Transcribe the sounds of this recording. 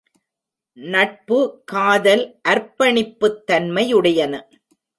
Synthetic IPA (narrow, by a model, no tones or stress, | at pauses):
nɐʈ̚pɯkaːðɐlʔɐɾpɐɳɪpːɯt̪ːɐnmɐjɯɽɐjɐnɐ